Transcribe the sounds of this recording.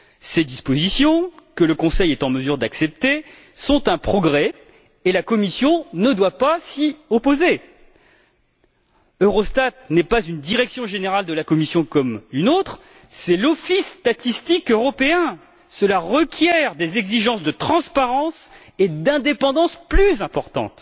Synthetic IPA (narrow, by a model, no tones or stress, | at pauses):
sed̪ispozisjɔ̃kələkɔ̃sɛjɛt̪ɑ̃məzyʁd̪aksɛp̚t̪e | sɔ̃t̪ɛ̃pχɔɡʁɛ | elakɔmisjɔ̃nəd̪wapasiopoze | øʁɔst̪at̪nɛpazynd̪iʁɛksjɔ̃ʒeneʁald̪əlakɔmisjɔ̃kɔmynot̪χ | sɛlɔfist̪at̪ist̪ikøʁɔpeɛ̃ | səlaʁəkʲjɛʁd̪ezɛɡziʒɑ̃sd̪ət̪χɑ̃spaʁɑ̃s | ed̪ɛ̃d̪epɑ̃d̪ɑ̃splyzɛ̃pɔʁt̪ɑ̰̃t̪